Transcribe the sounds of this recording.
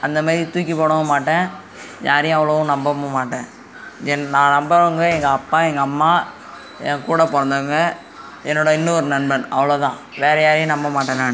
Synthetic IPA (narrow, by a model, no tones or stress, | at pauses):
ɐnd̪ɐmaːðɾit̪uːk̬ʲːipoːɽɐmɐmaːʈːẽː | ɲʔaːɾɛjʊ̃ɐʋɐɭɐʋʊ̃nɐmbɐmɐmaːʈːẽː | ɛnnãːnɐmbɐɯŋɡɐɛŋɡɐɐpːaːɛŋɡɐːmːaː | ɛ̰ŋɡɐkuːɽɐpɔɾɐnd̪ɐʋɯŋɡɐ | ɛnːoɽɐɪnːɯɔɾɯnɐnbɐnɐʋɐɭoːt̪ãːʋeːɾɐjaːɾɐjʊ̃nɐmbɐmaːʈːɐnaːɳ